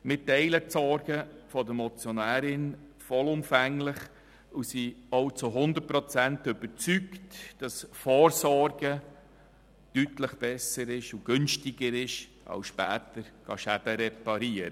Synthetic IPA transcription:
mɪtɛɪləsɔɾɡ̥əfɔdəmɔt͡sjɔnæːɾɪnfɔlʊmfæŋlɪχ | usiɔwt͡suɦʊnd̪ət̚pɾɔt͡sæntʏb̥əɾt͡syktd̥ɑsfɔːɾsɔɾɡ̥ə | d̥ytləχb̥ɛsəɾɪʃuɡ̥ʏnʃtɪɡəɾɪʃ | ʔɑ̰wsʃpæːt̪əɾɡ̥ɑ̰ʃæd̥əɾɛpɑɾiəɾə

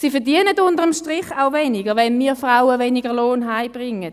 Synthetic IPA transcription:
siːfɛɐdiənətʊndəʁəmʃtʁɪχaʊvɛnɪɡəʋɛnmiːfraʊəvɛniɡəʁloːnɦaɪb̥ʁɪŋːət

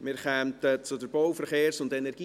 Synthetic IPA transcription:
mɪɾχɛmtət͡sʊdəɾbɔwfəɾχeːɾsʊndɛnɛɾɡiː

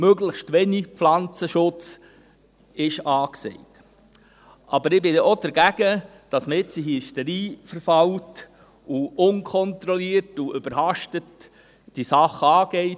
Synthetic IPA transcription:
møɡləxʃtʋɛniflɑnt͡səʃʊt͡s | ɪʃɑːksɛ̰ɪt | ʔɑbəɾɪbɪdɛʔod̥əɾɡæɡ̥ə | d̥ɑsməɪt͡siɦiʃtəɾiːfəɾfɑwt | uʊnkʰɔntɾɔliːəɾtuʏb̥əɾhɑʃtət | d̥isɑχəɑːɡ̥ɛɪ

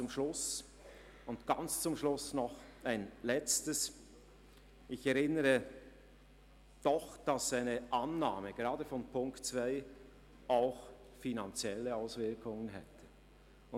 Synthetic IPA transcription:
ʊmʃlʊs | ʊndɡ̥ant͡st͡sʊmʃlʊsnɔχaɪnlɛt͡stəs | ʔɪçɛɾɪnəʁə | d̥ɔχd̥ɑsːaɪnəʔanːaːməɡ̥eʁɑːdəfɔnpʰʊŋktt͡sv̥aɪ | aʊx | finant͡sjɛləaʊsvɪɐkʰʊŋənɦɛtʰə | ʊ

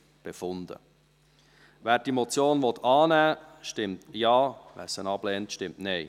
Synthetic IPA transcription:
b̥efʊndə̰ | væːɾd̥imɔt͡sjoːnvɔtʰɑːnæːʃtɪmtjɑːvæ̰ːsənɑb̥lɛːntʃtɪmtnɛɪ

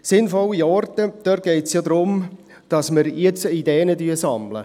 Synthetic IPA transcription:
sɪnfɔlːiɔrtəd̪̥œrt̚ɡ̥ɛɪtsjodɾʊm | d̥ɑsməɾjet͡sidɛːnədyːsɑmlə̰

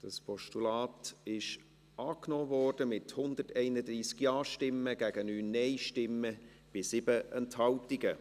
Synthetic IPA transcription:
d̥ɑspʰɔʃtulɑːtɪʃ | ʔɑːknɔːvɔrd̥əmɪthʊndətɛɪnədɾiːskjɑːʃtɪmːəɡ̥æɡ̥ənyːnːɛɪʃtɪmːə | b̥ɪsɪbəʔɛnthɑʊp̚tɪɡə

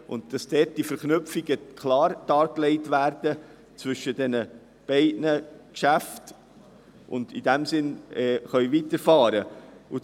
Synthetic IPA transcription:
ʔʊndd̥ɑsd̥ɛːt̚d̥ifəɾknʏpfiɡəkʰlɑːɾd̥ɑːɾklɛɪtvæːɾd̥ə | t͡svʏʃədɛnə | b̥ɛɪdnəkʃæft | ʔʊ̰ndidæmsɪnɛːχœɥvitəɾfɑːɾəu

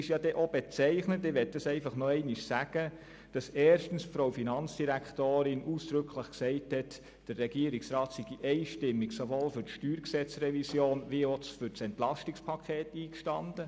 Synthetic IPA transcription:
ɪʃjɑdɛʔob̥et͡sɛɪχnətɪʋɛt̚d̥ɑsɛɪfɑχnɔɛɪnɪʃsæɡ̥ə | d̥ɑsɛːɾʃtən̩sfɾowfinɑnt͡sd̥iɾækχtoːɾɪnʔuːsd̥ɾʏkʰləχksɛɪthɛt | d̥ərːɛɡiəɾɪksɾɑːtsiɡiʔɛɪʃtɪmːiksoʋoːlfʏɾtʃtyːɾksɛt͡srɛvisjoːnʋiofʏɾsɛntlɑstɪkspʰɑkʰeːtiːkʃtɑnd̥ə

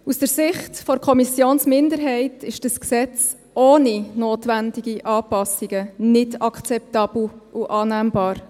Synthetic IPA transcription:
usd̥əɾsɪχtfɔɾkʰɔmisjoːnsmɪndəɾɦɛɪtɪʃd̥əsksɛt͡s | ʔoːninoːtʋændiɡiʔɑːpɑsiɡ̥ənɪdɑkʰt͡sɛp̚tɑːb̥l̩ʔuʔɑːnæːmbɑːɾ

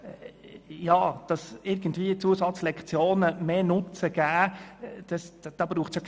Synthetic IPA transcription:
jɑːd̥ɑsɪɾɡ̥ən̩tviːət͡suəsɑt͡slɛkt͡sjoːnəmeːnʊt͡səɡ̥æːd̥ɑsd̥ɑːbɾuːχt͡ssjok

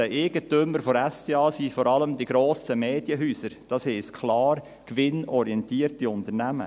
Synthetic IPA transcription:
əʔeɡ̥ətʏmːəɾfɔɾæsteːɑːsifɔɾɑləmd̥̪iɡ̥ɾoːsəmeːd̥jəɦyːsəɾd̥ɑːshɛːskʰχlɑːɾ | kʋɪnɔɾiɛntiːəɾtiʊnt̪əɾnæmə̰

